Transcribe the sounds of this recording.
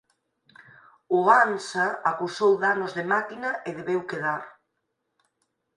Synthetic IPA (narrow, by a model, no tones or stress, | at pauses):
ʊansaakusowðanʊzðemakinaʔeðeβewkeð̞aɾ